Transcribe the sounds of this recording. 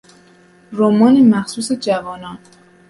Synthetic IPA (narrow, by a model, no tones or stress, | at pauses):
romɒːnimæxsuːsed͡ʒævɒːnɒːn